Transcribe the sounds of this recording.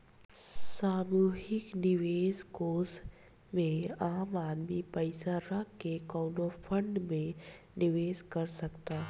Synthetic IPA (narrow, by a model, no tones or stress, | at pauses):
saːmuːɦɪknɪʋeːzkoːs | mẽaːmaːd̪mipəɪsaɾəkːekɔʊnopʰə̃ɳɖmẽ | nɪʋeːzkɐɾsɐkt̪aː